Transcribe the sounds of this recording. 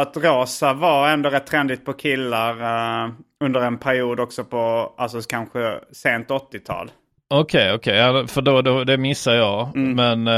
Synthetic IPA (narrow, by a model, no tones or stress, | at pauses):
at̪ɾɑːsavaɛnd̪oːɾɛt̪ʰːɾɛnd̪ɪt̪̚pʰɔkʰɪlːaɾ | ɵnd̪əɾɛnpʰæɾɪuːd̪ɔksɔpʰɔʔalsɔkʰanɧəseːnt̪ɔt̪ːɪt̪ʰɑ̰ːl | ɔkʰejɔkʰɛjafœɖɔd̪ɔd̪ɛmɪsːaɾjɑːmɛn